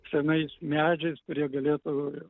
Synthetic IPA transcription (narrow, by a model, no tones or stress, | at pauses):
sʲɛnɐɪsmʲæːd͡ʒʲɛɪskʊɾʲiɛɡɐlʲeːt̪ʊ